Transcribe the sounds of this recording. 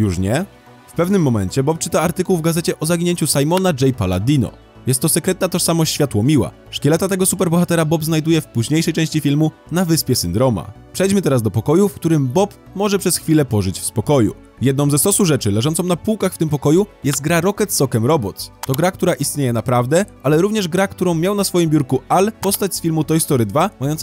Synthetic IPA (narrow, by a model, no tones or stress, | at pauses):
juʂɲɛ | fpɛvnɘmːɔmɛɲt͡ɕɛbɔp̚t͡ʂɘt̪aaɾt̪ɘkuwvɡazɛt͡ɕɛʔɔzaɡʲiɲeɲt͡ɕusajmɔnad͡ʐɛjpala̰d̪ʲinɔ̰ | jɛst̪ːɔsɛkɾɛt̪̚nat̪ɔʂsamɔɕt͡ɕɕfʲjat̪wɔmʲiwa̰ | ʂkʲɛlɛt̪at̪ɛɡɔsupɛɾbɔxat̪ɛɾabɔpznajd̪ujɛfpuʑɲejʂɛjt͡ʂɛ̃ɕt͡ɕifʲilmu | navɘspʲjɛsɘnd̪ɾɔma̰pʂɛjd͡ʑmɘt̪ɛɾazd̪ɔpɔkɔjufkt̪uɾɘmbɔp | mɔʐɛpʂɛsxfʲilɛpɔʐɘt͡ɕfspɔkɔjṵ | jɛd̪nɔ̃w̃zɛsɔsuʐɛt͡ʂɘlɛʐɔnt̪sɔ̃w̃napuwkaxft̪ɘmpɔkɔjujɛst̪̚ɡɾaɾɔkɛt̪sɔkɛmɾɔbɔt̪st̪ɔɡɾakt̪uɾaʔist̪ɲejɛnapɾavd̪ɛʔalɛɾuvɲɛʐɡɾakt̪uɾɔ̃w̃mʲjawnasfɔjimbjuɾkualpɔst̪at͡ɕsfʲilmut̪ɔjst̪ɔɾɘd̪vamajɔnt̪